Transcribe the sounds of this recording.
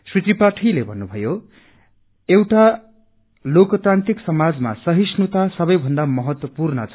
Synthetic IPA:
srit̪ripaʈʰilebʱʌnːubʱʌjo | ewʈa | lokʌt̪ɾãnt̪iksʌmad͡zma̰sʌɦisnut̪asʌbʌjbʱʌnd̪amʌɦʌt̪wʌpurnʌ̰t͡sʰ

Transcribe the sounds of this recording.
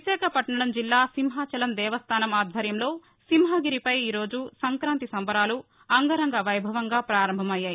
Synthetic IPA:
isɛːkɐpɐʈɳɐɽɐmd͡ʒilːaːsimɦaːt͡ʃɐlɐnd̪ɛːʋɐst̪ʰaːnɐmaːd̪ʱʋɐɾjɐmlo̞ː | simɦaːɡiɾipɐjiːɾo̞ːd͡ʒusɐŋkɾaːnt̪isɐmbɐɾaːlu | ɐŋɡɐɾɐŋɡɐʋɐjbʱɐʋɐŋɡaːpɾaːɾɐmbʱɐmɐjːaːji

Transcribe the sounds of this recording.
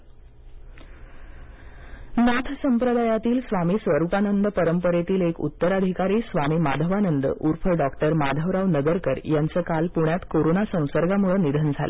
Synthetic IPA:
nat̪ʰsəmpɾəd̪ajat̪iːlsʋamiːsʋəɾupanənd̪əpəɾəmpəɾet̪iːlekṵt̪ːəɾəd̪ʱikaɾiːsʋamiːma̰d̪ʱəʋanənd̪əʔuɾfəɭɖɔkʈəɾmad̪ʱəʋɾaʋnəɡəɾkəɾjant͡səːkalpuɳjat̪koɾonasə̃w̃səɾɡamuɭənid̪ʱənd͡zʱalḛ

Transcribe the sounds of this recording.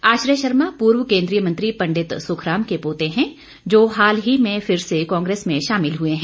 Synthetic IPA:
aːʃɾjəʃɐɾmapuːɾwəkẽːnd̪ɾijəmɐ̃nt̪ɾipɐ̃ɳɖɪt̪sʊːkʰɾaːmkepoːt̪ẽɦɛ̃ | d͡ʒoːɦaːlɦimẽfɪɾsekãːŋɡɾeːsmẽʃaːmɪlɦueɦɛ̃

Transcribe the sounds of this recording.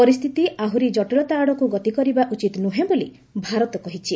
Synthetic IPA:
pɔɾist̪ʰit̪iʔaɦuɾid͡ʒɔʈulɔt̪aːɽɔkuɡɔt̪ikɔɾibaʔut͡ʃit̪nuɦẽboli | bʱaɾɔt̪ɔkɔɦit͡ʃʰi

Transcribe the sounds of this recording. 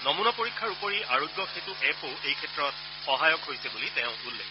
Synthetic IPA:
nɔmunɔpoɹikʰːaɹupoɹiʔaɹoɡːɔxetʊʔɛpoʔejkʰɛtːɹɔt̚ | xɔɦajɔkɦojsɛbulitɛ̃ʊ̃ɦulːɛ̰

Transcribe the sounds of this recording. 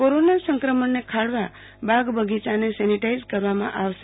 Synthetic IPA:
koɾonasə̃ŋkɾəməɳnekʰaɭʋa | baɡbəɡit͡ʃanesɛniʈaizkəɾʋamã̰ʔaʋʃe

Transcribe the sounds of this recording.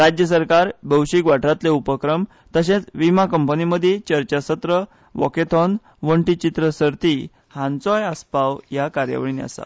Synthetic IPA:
ɾad͡ʑjəs̬əɾkaɾbʱəwɕikʋaʈʰɾat̪leupəkɾəm | t̪əɕ̬ẽt͡sʋimakəmpəniməd̪ʱjet͡ɕəɾt͡ɕasət̪ɾə | ʋɔ̰ket̪ʰɔn | ʋəɳʈit͡ɕit̪ɾəsəɾt̪i | hãnt͡sɔjaspawjakaɾjə̰ʋəɭinia̰sa̰

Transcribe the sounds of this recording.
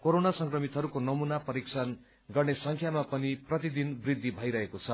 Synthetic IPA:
koɾonasʌŋkrʌmit̪ɦʌɾukonʌmunapʌɾiksʰʌn | ɡʌrnesʌŋkʰjamapʌniprʌt̪id̪inbrid̪ʱːibʱʌjɾʌɦekot͡sʰʌ

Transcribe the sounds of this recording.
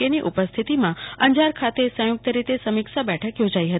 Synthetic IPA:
eniʔupəst̪ʰit̪imãə̃ɲd͡ʒaɾkʰat̪esə̃jʊk̚t̪əɾit̪esəmikʃabɛʈʰəkjod͡ʒaiɦət̪i

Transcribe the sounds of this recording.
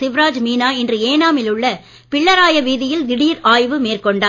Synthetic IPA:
sɪʋɪɾaːd͡ʒmiːnaːɪndrɯeːnaːmɪlɯɭːɐ | pɪɭːɐɾaːjɐʋiːðɪjɪlʋɪɽiːɾaːjʋɯmeːrkɔɳɖaː

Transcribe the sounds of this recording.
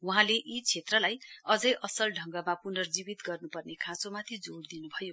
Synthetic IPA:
uɦãleʔit͡sʰet̪rʌlajʌd͡zʌjʔʌsʌlɖʱʌŋɡʌmapunʌrd͡zibit̪ɡʌrnupʌrnekʰãsomat̪ʰid͡zoɽd̪inubʱʌjo

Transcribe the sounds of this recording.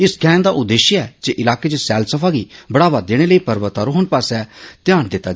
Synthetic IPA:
ɪskɛ̃ːnd̪aʔʊd̪ːeːʃəɛːd͡ʒeʔɪlaːket͡ʃesɛːlsəpʰaːɡibɐɽaːʋad̪eːɽ̃eləipɐɾʋət̪aɾoɦoɳpaːsɛt̪jãːnd̪ɪt̪ːa

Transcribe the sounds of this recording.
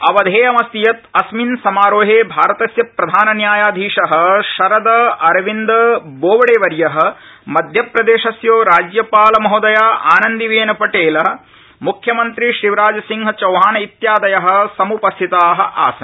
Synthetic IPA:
ɐʋɐd̪ʱeːɐmɐst̪ijɐt̪ɐsminsɐmaːɾoːɦeːbʱaːɾɐt̪ɐsjɐpɾɐd̪ʱaːnɐnjaːjaːd̪ʱiːʂɐɦɐ̆ʃɐɾɐd̪ɐɐɾɐʋind̪ɐboːʋɐɽeːʋɐɾjɐɦɐ̆ | mɐd̪ʱjɐpɾɐd̪eːʃɐsjoːɾaːd͡ʒjɐpaːlɐmɐɦod̪ɐjaːʔa̰ːnɐnd̪iʋeːnɐpɐʈeːlɐ | mukʰjɐmɐnt̪ɾiʃɾiʋɾaːd͡ʒɐsiŋɦɐt͡ʃɐwɦaːnɐit̪jaːd̪ɐjɐɦɐ̆sɐmupɐst̪ʰit̪aːɦɐ̆ʔa̰ːsɐ

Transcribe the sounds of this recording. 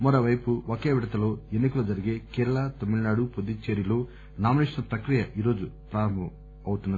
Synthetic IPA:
mɔɾoːʋɐjpuokeːʋiɽɐt̪ɐlo̞ːenːikɐlud͡ʒɐɾiɡeːkeːɾɐɭɐt̪omːiɽnaːɽupod̪ːit͡ʃeːɾilo̞ː | naːminiʂɐnɐpɾɐkɾijɐʔiːɾo̞ːd͡ʒupɾaːɾɐmbɐ | ɐwut̪unːɐ

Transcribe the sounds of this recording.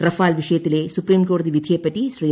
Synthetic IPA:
ɾɐfʰaːlʋiʃeːt̪ileːsupɾiːmkoːɾd̪iʋid̪ʱeːpɐʈiʃɾij

